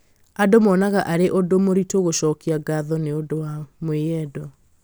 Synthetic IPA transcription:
adomɔnaɣaʔaɾeʔodomoɾitoɣoɕɔːkiaɡaðɔneodowamweɛdɔ

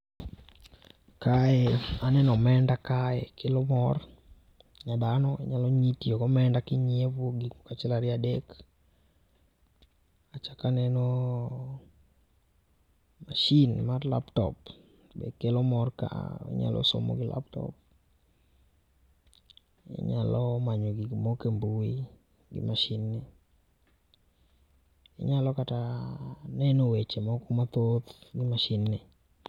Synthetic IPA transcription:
kaɛanɛnɔmɛndakaɛkelomɔr | ɲadanɔɲalɔɲitiokɔmɛndakɪɲevoɡikokat͡ʃɛlaɾɪadɛk | at͡ʃakanɛnɔ | maʃinmarla̰ptɔ̰p | bɛ̰kelɔmɔrka̰ḛɲa̰lʔɔ̰so̰mɔ̰ɡɪlʔa̰p̚tɔ̰p | ḛɲalɔmaɲɔɡɪmokembuwi | ɡɪ̰maʃɪnːɪ | eɲalɔkata | nɛnowet͡ʃemɔkɔmat̪ot̪ɡɪmaʃɪnːɪ

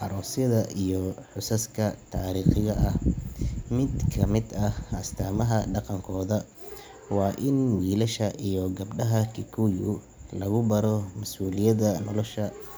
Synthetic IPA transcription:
ʔɑɾɔːsjɐðɐʔijɔħʊsɐskʰɐt̪ʰaːɾiːχɪɣɐʔɐh | mɪd̪kʰɐmɪd̪ɐhʔɐst̪ʰaːmɐɦɐɖɑqɑŋkʰɔːðɐ | wɑːʔɪnwiːlɐʃɐʔijɔɡɐbɖɐɦɐkʰɪkʰujʊ̰ | lɐɣʊbɐɾɔmɐsuːlɪjɐðɐnɔlɔʃɐ

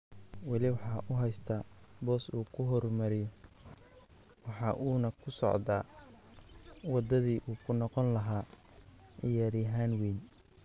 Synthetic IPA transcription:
wɑlɪwɑħɑːʔʊɦɛjst̪ʰaːbɔːsuːkʰʊɦɔrmɐɾɪjɔ | wɑħɑːʔuːnɐkʰʊsɔ̰ʕd̪a̰ː | wɑd̪ɐðiːʔuːkʰʊnɔqɔnlɐɦaː | ʕɪjaːɾɪjɦaːnwiːn

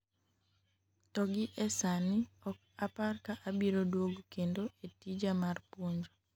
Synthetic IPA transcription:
tɔɡɪʔɛsanɪɔk̚ | aparkaʔabiɾodwoɡkendoetid͡ʒamarpoɲd͡ʒo

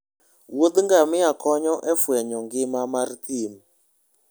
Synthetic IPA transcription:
wod̪ŋɡamɪakɔɲɔʔɛfwɛɲɔŋɡɪmamart̪im

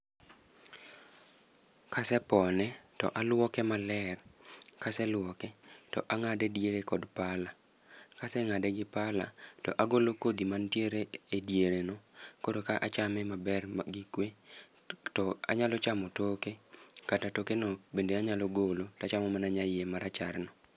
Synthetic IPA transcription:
kasɛpɔnɛtɔ̰ʔalwɔkɛmalɛrkasɛlwɔkɛtɔʔaŋadedjeɾekɔdpala | kasɛŋadeɡɪpala̰tɔʔaɡolokod̪imantjeɾeedjeɾenɔkodokaʔat͡ʃamɛmabɛrɡɪkwe | tɔa̰ɲalɔt͡ʃamɔtokekatatokenobendeaɲalɔɡolotat͡ʃamɔmanaɲajemaɾat͡ʃarnɔ

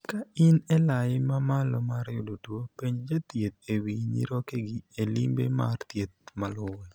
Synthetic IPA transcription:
kaɪnɛlajɪmamalɔmaɾjodotwopeɲd͡ʒat̪jet̪̚ewiɲḭɾokeɡɪelḭmbḛma̰rt̪jet̪̚malʊwɛ

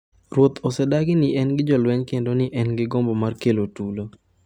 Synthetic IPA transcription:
rwot̪ɔsɛdaɡɪnɪʔɛnɡɪd͡ʒɔlwɛɲkendonɪʔɛnɡɪɡɔmbɔmarkelotulo

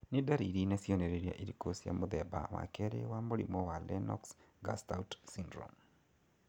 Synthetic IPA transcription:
nidaɾiɾinasiɔnɛɾeɾia̰ʔiɾikosija̰mʊðɛba̰wa̰kɛɾḛwamolḭmɔwalɛnɔ̰ks | ɡa̰stawtsindɾɔ̰m

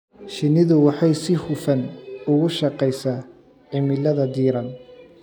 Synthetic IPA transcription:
ʃɪnɪðʊwɑħɑjsɪhʊfɐnʊɣʊʃɑqɛjsaː | ʕɪmɪlɐðɐd̪iːɾɐn

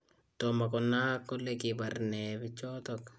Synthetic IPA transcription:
t̪ɔmakɔnːakːɔlːɛkibaɾnɛbɪt͡ʃːɔt̪ɔk

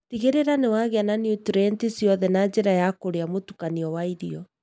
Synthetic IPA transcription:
tiɣeɾeɾanewaɣeananjutɾɛntisiɔðɛnad͡ʑeɾajakoɾeamotukaniɔwaiɾiɔ

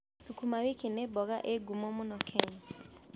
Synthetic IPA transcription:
sukumawikinebɔɣaʔeɡumɔmʊnɔkʰɛɲ

